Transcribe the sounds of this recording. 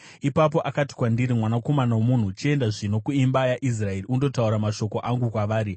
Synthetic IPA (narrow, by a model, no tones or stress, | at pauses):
ipap̬o̞ʔakati̥kwandiɾimwanako̞manawomun̤ut͡ʃie̞ndaʐino̞kuimbajaʔis̬rae̞riundo̞tauɾamaʃo̞ko̞ʔaŋɡukwaʋaːɾi